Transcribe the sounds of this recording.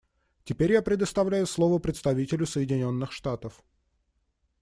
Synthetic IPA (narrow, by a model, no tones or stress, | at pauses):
tʲɪpʲeɾʲjapɾʲɪd̪əst̪ɐvlʲæjʊslˠo̞vəpɾʲɪt̪st̪ɐvʲitʲɪlʲʊsəjɪdʲɪnʲo̞nːɨxʂt̪at̪əf